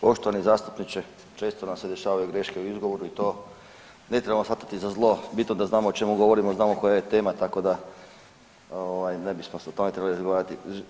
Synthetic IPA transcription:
po̞ʃt̪oʋanizaːst̪u̥pnit͡ʃe | t͡ʃe̞ːst̪onamse̞d̪e̞ʃaːʋajuɡɾe̞ʃkeuizɡo̞ʋo̞ɾuit̪o̞ː | ne̞t̪ɾebamosfat̪ḁt̪izazlˠo̞bit̪nod̪aznaːmoot͡ʃe̞muɡo̞ʋo̞ɾimoznaːmoko̞jajet̪e̞ːmat̪ako̞d̪a | oʋajne̞bismosot̪o̞met̪ɾebliɾazɡoʋaːɾat̪i

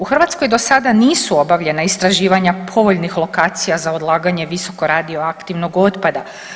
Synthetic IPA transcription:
uxr̩ʋat̪sko̞jd̪o̞sad̪aniːsuo̞baʋʎe̞naist̪ɾaʒiːʋaɲapʰo̞ʋo̞ʎnixlˠo̞kaːt̪sijazaod̪lˠaːɡaɲe̞ʋiso̞ko̞ɾaːd̪io̞akt̪iʋno̞ɡo̞t̪pad̪a

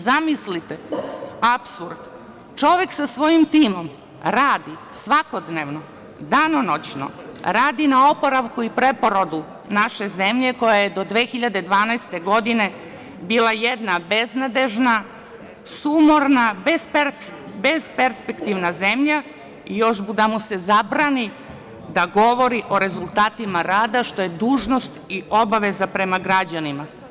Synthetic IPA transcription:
zamislit̪eapsuɾd̪ | t͡ʃo̞ʋe̞ksasʋo̞jimt̪iːmo̞m | ɾaːd̪isʋako̞d̪neʋno̞ | d̪anonot͡ɕno̰ɾaːd̪inao̞poɾaʋkuipɾe̞po̞ɾod̪u | naʃe̞ze̞mʎe̞ko̞jajed̪o̞d̪ʋeːxiʎad̪e̞d̪ʋaːnajst̪e̞ɡo̞d̪ine̞ | biːlˠajed̪nabeznad̪eʒna | sumoɾnabep | bezpeɾspekt̪iʋnaze̞mʎa | ijo̞ʃbud̪amuse̞zabɾani | d̪aɡo̞ʋo̞ɾiʔo̞ɾe̞zulˠt̪aːt̪imaɾaːd̪aʃt̪o̞jed̪uːʒno̞st̪io̞baʋe̞zapɾe̞maɡɾad͡ʑanima

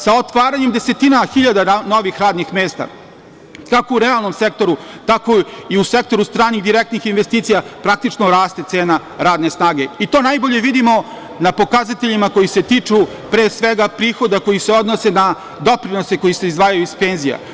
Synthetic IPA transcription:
saot̪ʋaːɾaɲemd̪ese̞t̪inaxiʎad̪ano̞ʋixɾaːd̪nixmeːst̪a̰ | kako̞uɾealˠno̞mse̞k̚t̪o̞ɾu | t̪ako̞iuse̞k̚t̪o̞ɾust̪ɾaːniɣd̪iɾek̚t̪nixinʋe̞st̪iːt̪sijapɾak̚t̪it͡ʂnoɾaːst̪e̞t̪se̞ːna | ɾaːd̪ne̞snaːɡe̞it̪o̞najbo̞ʎe̞ʋid̪imo̞ | napo̞kazat̪e̞ʎimako̞jise̞t̪it͡ʂu | pɾeːsʋeɡapɾiːxo̞d̪ako̞jise̞o̞d̪nose̞na | d̪o̞pɾino̞se̞ko̞jise̞izʋaːjajuispe̞ːnzija̰

